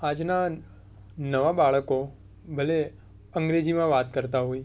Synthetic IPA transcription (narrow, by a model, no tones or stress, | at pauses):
ad͡ʒna | nəʋabaɭəko | bʱəle | əŋɡɾed͡ʒimãʋat̪kəɾt̪aɦoi